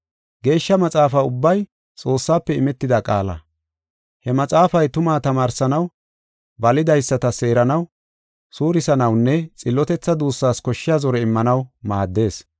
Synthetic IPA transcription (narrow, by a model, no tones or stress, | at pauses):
ɡe̞ːʃːɐmɐt͡sʼaːfɐːʊbːɐj | t͡sʼo̞ːsːaːpːɛɪmɛt̪ːɪd̪ɐkʼa̰ːlɐ̰ | hɛmɐt͡sʼaːfɐjt̪ʊmaːt̪ɐmaːɾsɐnɐw | bɐlɪd̪ɐjsːɐt̪ɐse̞ːɾɐnɐw | suːɾɪsɐnɐwnːɛt͡sʼɪlːɔt̪ɛt͡sːɐd̪uːsːaːskɔʃːɪjaːzɔɾɛɪmːɐnɐwmaːd̪ːe̞ːs